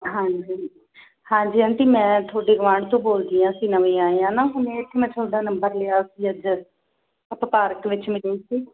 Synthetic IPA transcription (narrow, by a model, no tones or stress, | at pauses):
ɦãːɲd͡ʒiː | hãːɲd͡ʒiːənʈ̪iːmɛ̃ːt̪ʰoːɖeːɡəʋãːɳt̪õːboːld̪iːãːsiːnəʋẽːaːeãːnaːɦʊnet̪ʰːemɛ̃ːt̪ʰoːɖaːnəmbəɾleːaːsiːəd͡ʒə | əppaːɾəkʋɪt͡ʃmɪleiːsiː